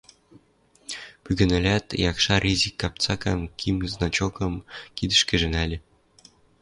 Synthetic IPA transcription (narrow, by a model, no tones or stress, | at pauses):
pyɡɘ̆nɘ̆lʲæt̪jɑkʃɑrʲizʲikːɑp̚t͡sɑkɑnkʲʰimznɑt͡ɕokɤ̆mkid̪ə̆ʃkɘ̆ʒɘ̆nælʲɘ̆